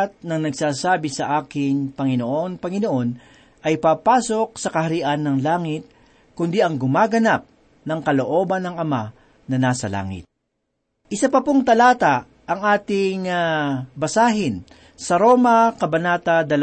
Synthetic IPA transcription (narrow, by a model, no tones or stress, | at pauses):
t̪̚nɐŋnɐɡ̚saːsaːbɪsɐʔaːkɪŋpɐŋɪnoʔo̞npɐŋɪnoʔo̞n | ʔɐjpaːpaːso̞k̚sɐkɐhɐɾiʔanːɐŋlaːŋɪt̪̚ | kʊnd̪iʔɐŋɡʊmaːɡɐnap̚ | nɐŋkɐloʔo̞ːbɐnːɐŋɐma | nɐnaːsɐla̰ːŋɪ̰t̪̚ | ʔɪsapɐpoŋt̪ɐlaːt̪a | ʔɐŋʔaːt̪ɪŋ | bɐsaːɦɪn | sɐɾo̞ːmɐkɐbɐnaːt̪ɐd̪ɐl